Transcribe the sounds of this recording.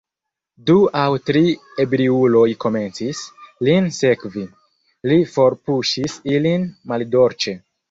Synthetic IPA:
duawtɾie̞bɾiulo̞jko̞me̞nt͡sislinse̞kvi | lifo̞ɾpuʃisilinmaldo̞ɾt͡ʃe̞

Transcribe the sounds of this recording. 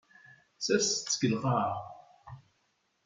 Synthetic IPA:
sæst͡sːəɡəlʁa

